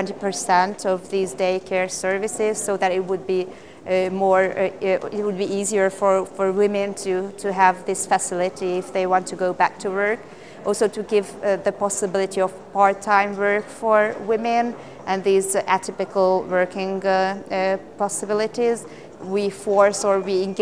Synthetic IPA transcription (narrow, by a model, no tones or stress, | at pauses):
twɛ̃ntipə˞sɛ̃ntʰʌvðizdeɪkʰɛɹsɜ˞vɨsɪz̥soʊðɨɾɪt̚wəd̚bi | mɔɹɪt̚wəd̚biiziə˞fə˞fə˞wɪ̃mɨ̃ntʰɨtʰɨəvðɪsfɨsɪlˠɨɾiɪfðeɪwɑ̃ntʰɨɡoʊbæk̚tʰɨwɜ˞k | ɔlˠsoʊɾɨɡɪvðɨpɑsɨbɪlˠɨɾiʌv̥pʰɑɹ̚tʰãɪ̃mwɜ˞kfə˞wɪ̃mɨ̃n | ʔɨ̃nðizætʰɪpɨkl̩ˠwɜ˞kɪ̃ŋ | pʰɑsɨbɪlˠɨɾiz | wifɔɹsə˞wiɪ̃nɡ